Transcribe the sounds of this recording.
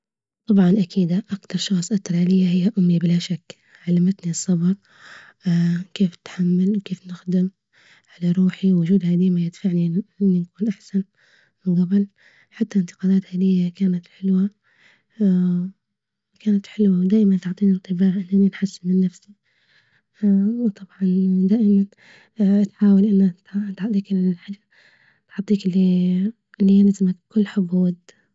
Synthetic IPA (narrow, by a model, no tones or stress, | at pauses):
t̪ˤɑbʕɑnʔakiːd̪aʔakt̪ɑɾˤʃɑxsˤʔɑkt̪ːɑɾˤɑlɪjːahɪjːaʔʊmːibɪlaʃakː | ʕalːamat̪nisˤːɑbɑɾˤ | keːfnɪ̥t̪ħamːalwkeːfnɪxd̪ɪm | ʕalaɾˤuːħiwwʊd͡ʒuːd̪haːd̪iːmajɪd̪faʕniʔɪnːinakuːnʔaħsan | mɪnɡɑbɨl | ħat̪ːaɪnt̪ɪ̥qɑːlaːt̪haːlɪjːakaːnat̪ħɪlwa | kaːnat̪ħɪlwawd̪aːʔɪmant̪ʊʕt̪ˤiːnɪt̪ˤːɨbaːʕʔɪnːʔaninħasːɪnmɪnːafsi | t̪ˤʰɑbʕɑnd̪aːʔɪman | ʔt̪ħaːwalʔɪnːat̪at̪ħɑt̪ˤiːkɪlħɪ | t̪ħɑt̪ˤːiːkɪlːi | ʔlːijanazmak̚kʊlːħʊbuːd̪